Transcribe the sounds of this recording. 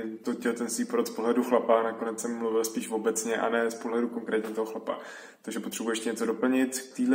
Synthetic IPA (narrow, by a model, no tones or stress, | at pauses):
t̪ocɛlt̪ɛnsviːpoɾot̪spoɦlɛduxlapanakonɛt͡ssɛmːluvɪlspiːʃvo̞bɛt͡sɲɛʔa̰nɛːspoɦlɛduko̞ŋkɾɛːt̪ɲit̪oɦoxlapa̰ | t̪oɡʒɛpot̪r̥ɛbujɛʃcɪɲɛt͡so̞do̞pl̩ɲɪt̪t̪iːdlɛ